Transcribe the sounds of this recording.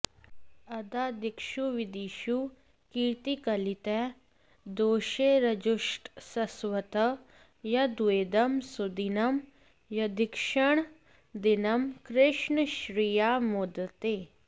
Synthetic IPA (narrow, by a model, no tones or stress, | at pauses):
ɐd̪aːd̪ikʃuʋid̪iːʃu | kiːt̪ikɐlit̪ɛ | d̪oːʃeɾɐd͡ʒuʃʈsɐsʋɐt̪ɐ | jɐd̪ueːd̪ɐmsud̪inɐm | jɐd̪ikʃəɳ̃ | d̪inɐmkɾɪʃɳʃɾijamod̪ət̪eː